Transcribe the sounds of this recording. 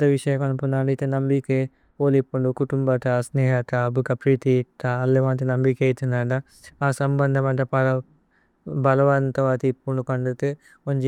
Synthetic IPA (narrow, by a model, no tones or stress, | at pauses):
t̪ɐʋiʂɐjɐkɐnupunaːɳɖɐit̪enɐmbike | oːlipːuɳɖukuʈumbɐt̪ɐsneːɦɐt̪ɐbʱukɐpɾiːt̪it̪aːlːeʋaːnt̪inɐmbikeɐjt̪unɐːɳɖɐ | aːsɐmbɐnd̪ʱɐmɐɳʈɐpɐɐ | bɐlɐʋɐnt̪ɐʋaːt̪iːpːuɳɖukɐɳɖut̪ɨ | oɲd͡ʒi